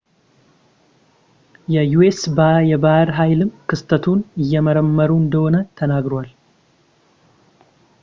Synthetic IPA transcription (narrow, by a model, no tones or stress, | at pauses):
jɛjuesbajɛbahɾɦajlɨmkɨst̪ʰət̪ʰunɨjːɛməɾəmːəɾuɨnd̪əho̞nət̪ʰənaɡɾowal